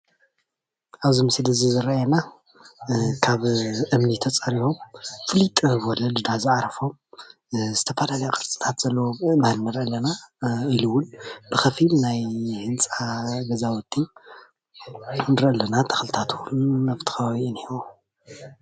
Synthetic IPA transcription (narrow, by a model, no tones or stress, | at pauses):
ʔaβzɨmɨsilɨzɨzɨɾajena | kʰaβʔɨmnit̪ʰɐt͡sʼɐɾihomfɨlit̪ʼβolɐd̪ɨd̪azɨʕaɾɐfom | zɨt̪ʰɐfɐlalɐjokʼɨɾt͡sʼi̥t̪ʰat̪z̥ɐlːɐwomahlnɨɾʔɐlːɐnailuwʊnbɨxɐfilnajhɨnt͡sʼaɡɐzawɔt̪ʰːi | nɨɾʔɐlːɐnat̪ʰɐ̥xlɨt̪ʰat̪ʰwulmɐβt̪ʰɨ̥xɐβaβiɨniwu